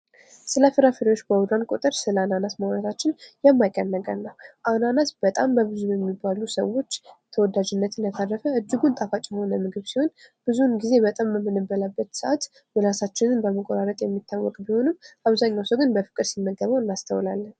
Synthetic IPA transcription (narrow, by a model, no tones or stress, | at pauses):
sɨləfɨɾafiɾjot͡ʃːbəwʊd̪ɾankʼot̪ʼəɾsɨləananasməhɾət̪ʰat͡ʃːɪnjɛmːajkʼːənːəɡʼanːəwʔananasb̥ət̪ʼambəβɨzujɛmːibːalusə̰wːo̞t͡ʃːt̪ʰəwɔd̪ad͡ʒɪnːət̪ʰɨnət̪ʰarːəfəʔɨd͡ʒːɨɡunt̪ʼafat͡ʃʼjho̞nəmɨɡɨβsiho̞nb̥ɨzunɡize̞bət̪ʼamːəmːɨnɨbəlabːət̪sɨʔat̪ | bəɾasat͡ʃːɪnɨnbəməkʼoɾaɾət̪ʼjɛmːit̪ʰːawːɔ̰kʼbiho̞nɨmːʔaβzaɲːawsəwɡɨnbəfɨ̥kʼːɨɾsimːəɡːəβawɨnːast̪ʰəwlalːən